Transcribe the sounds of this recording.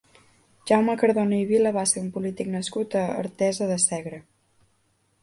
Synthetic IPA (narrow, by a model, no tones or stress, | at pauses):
ʒ̥awməkəɾðonəiβiləβaseumpulit̪iknəskut̪əə̰ːɾt̪ɛzəðəsɛɣɾə